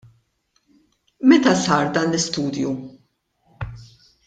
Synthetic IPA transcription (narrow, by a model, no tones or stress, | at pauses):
mɛt̪ɐsɐːɾd̪ɐːnlɪst̪uːd̪ju